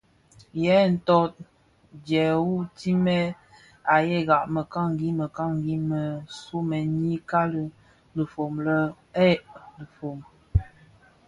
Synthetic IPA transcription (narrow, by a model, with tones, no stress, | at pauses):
jɛ˦n̩˨tɔ˦t̚ | djɛ˨wu˦ti˦mɛ˦ | a˨jɛ˦˨ɣa˨ʔmə˨ka˦ŋ˨ɡi˦mə˨ka˦ŋ˨ɡi˦mə˨su˦mɛ˨ɲi˦ka˦lə˦ | lə˨fo˨mlə˦ | ɛ˦˨ʔlə˨fo˨m